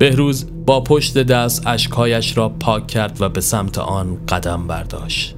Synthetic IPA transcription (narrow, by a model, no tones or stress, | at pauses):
b̥e̞hɾuːz | bɒːpʰo̞ʃt̪e̞d̪æst̪æʃkhɒːjæʃɾɒːpʰɒːcʰːæɾd̪væbe̞sæmt̪ʰḛʔɒːnɢ̥æd̪æmbæ̰ɾd̪ɒ̰ːʃt̪